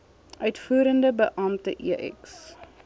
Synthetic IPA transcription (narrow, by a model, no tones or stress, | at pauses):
ʔœɥtfuːɾəndəbəʔɐmtəʔiəʔɛ̰ks